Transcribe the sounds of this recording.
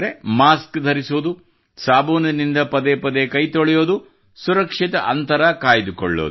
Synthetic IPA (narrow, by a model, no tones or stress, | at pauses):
ɾemaːskd̪ʱɐɾisud̪u | saːboːnɐnind̪ɐpɐd̪epɐd̪ekɐjt̪oɭɛjoːd̪u | suɾɐkʂit̪ɐʔɐnt̪ɐɾɐkaːjid̪ukɔ̰ɭːo̰d̪